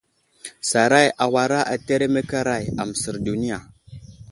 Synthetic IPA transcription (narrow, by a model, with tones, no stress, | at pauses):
sa˨ɾa˦˨ja˨wa˨ɾa˦ʔa˨te˦ɾe˦me˦ka˦ɾa˦˨ja̰˨mə˨sə˨ɾdu˨ni˦ja˨